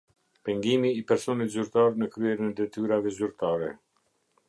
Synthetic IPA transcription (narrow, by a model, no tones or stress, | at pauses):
pɛŋɡimiːpɛɾsɔnit̪zyɾt̪aɾnəkɾyɛɾnɛd̪ɛt̪yɾavɛzyɾt̪aɾɛ̰